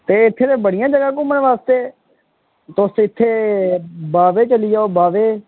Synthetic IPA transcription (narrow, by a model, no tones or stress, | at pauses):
t̪eːɪt̪ʰːeːt̪ẽːbəɽɪjãːd͡ʒəɡãːkʊmːənːʋaːst̪eː | t̪ʊsɪt̪ʰːeː | baːʋeːt͡ʃəlijaobaːʋeː